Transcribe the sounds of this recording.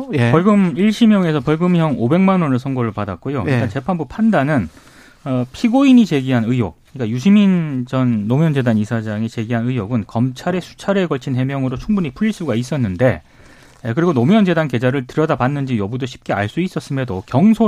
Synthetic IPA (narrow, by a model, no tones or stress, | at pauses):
ʌɭɡɯmiɭɕʰimjʌŋe̞sʰʌpʌɭɡɯmjʌŋobe̞ŋmanwʌnɯɭsʰʌŋɡʌɾɯɭpadak̚k͈ojoiɭkant͡ɕe̞pʰanbupʰandanɯn | ʌpʰiɡoiɲit͡ɕe̞ɡiɦanɯjo̰k̚kɯɲik͈ajuɕ̬ʰimind͡ʑʌnːomjʌnd͡ʑe̞danisʰad͡ʑaŋet͡ɕe̞ɡiɦanɯjoɡɯnkʌmt͡ɕʰaɾe̞sʰu̥t͡ɕʰaɾeɡʌɭt͡ɕʰinɦe̞mjʌŋɯɾot͡ɕʰuŋbuɲipʰuɭis͈uɡais͈ʌnːɯnde̞ | kɯɾiɡonomjʌnd͡ʑe̞danke̞d͡ʑaɾɯɭtɯɾʌdapanːɯnd͡ʑijʌbudoɕʰi̥p̚k͈e̞a̰ɭs͈uis͈ʌs͈ɯme̞dokjʌŋsʰo